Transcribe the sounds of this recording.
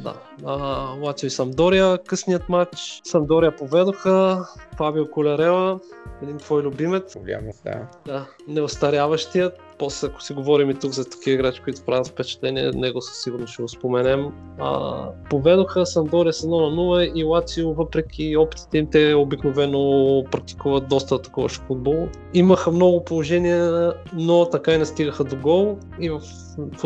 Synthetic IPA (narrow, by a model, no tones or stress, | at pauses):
d̪a̰ | əlˠat̪sijʊisɐmd̪ɔɾiəkɤsniət̪mat͡ʃsɐmd̪ɔɾijəpovɛd̪oxəfabiʊkʊlʲɐɾɛlˠəɛd̪int̪vɔjlʲʊbimɛt̪sʲa̰md̪a̰d̪a | nɛost̪ɐɾjavɐʃt̪ijə | pɔslɛɐko̥siɡovɔɾimit̪ukzɐt̪ɐ̥kivəiɡɾat͡ʃi̥koit̪ʊ̥pɾavɛfpɛt͡ʃɛ̥t̪lɛniɛ̰nɛɡʊsə̥siɡʊɾnoʃt̪ɛɡospomɛnɛm | ə̰povɛd̪oxəsɐnd̪ɔɾiəsɐnɔnɐnuləilˠat̪siʊvɤpɾɛk̟ʲʰiɔpi̥t̪i̥t̪ɛimt̪ɛobiknovɛnopɾɐk̚t̪i̥kuvət̪̚d̪ɔst̪ət̪ɐ̥kɔvə̰ʃfud̪̚bɔlˠ | iməxəmnɔɡʊpolˠoʒɛniɛnot̪ɐkainɛst̪iɡəxəd̪oɡɔlˠ | ivɐf